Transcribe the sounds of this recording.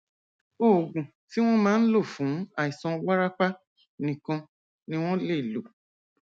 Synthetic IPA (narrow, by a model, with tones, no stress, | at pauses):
o˦˨ɡ͡bũ˨ | ti˦w̃ɔ̃˦mãː˨˦n̩˦lo˦˨fũ˨˦a˦˨i˨sɔ̃˧wa˦ɾa˦k͡pa˦ | nĩ˨kã˧ | nĩ˦w̃ɔ̃˦le˦˨lo˨